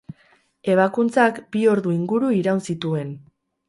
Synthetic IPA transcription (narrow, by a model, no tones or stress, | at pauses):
e̞β̞akunt͡sakbio̞ɾðuiŋɡuɾuiɾawnsit̪ue̞n